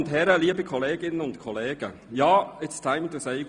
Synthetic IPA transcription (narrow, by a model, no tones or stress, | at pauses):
ntɦɛɾəliːəbikʰɔleːɡɪnənʊntkʰɔleːɡ̥ə | jaːɪtstʰãɪ̃mtuseɪɡ